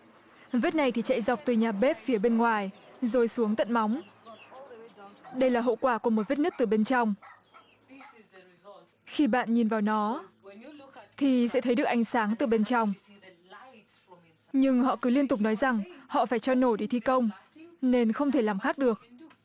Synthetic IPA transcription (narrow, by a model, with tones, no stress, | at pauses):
və˦˥t̚na˨˩jt̪ʰi˨˩t͡ɕa̰˧˨jza˨˩wk͡p̚t̪ɨ˨˩ɲaː˨˩ɓe˦˥p̚fi˨˦əɓe˧nŋwaː˨˩jzo˨˩jsu˨˦əŋt̪ə̰˧˨nma˨˦wŋ͡m | ɗə˧jlaː˨˩ɦo̰˧˨kwaː˧˩ku˧˩əmo˨˩t̚və˦˥t̚nɨ˦˥k̚t̪ɨ˨˩ɓe˧nt͡ɕɔ˧wŋ͡m | xi˧ɓa̰ː˧˨nɲi˨˩nvaː˨˩wnɔ˨˦ | t̪ʰi˨˩sɛ̰˧˥t̪ʰə˨˦jɗɨ˨˩ək̚ʔa˨˧jŋ̟saː˨˦ŋt̪ɨ˨˩ɓe˧nt͡ɕa˧wŋ͡m | ɲɨ˧ŋɦɔ̰˧˨kɨ˨˦li˧ənt̪ʊ˨˩k͡p̚nɔ˨˦jza˨˩ŋhɔ̰˧˨faː˧˩jt͡ɕɔ˧no˧˩jɗe˧˩t̪ʰi˧kə˧wŋ͡mne˧nxə˧wŋ͡mt̪ʰe˧˩laː˨˩mxaː˦˥k̚ɗɨ˨˩ək̚